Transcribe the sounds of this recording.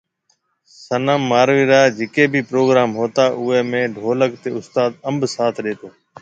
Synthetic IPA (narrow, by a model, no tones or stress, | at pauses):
sənəmːaːɾʋiːɾaːd͡ʒɪkeːbʱiːpɾoːɡɾaːmɦoːt̪aːʔʊeːmẽːɖʱoːləkt̪eːʊst̪aːd̪əmbsaːt̪ʰɗeːt̪oː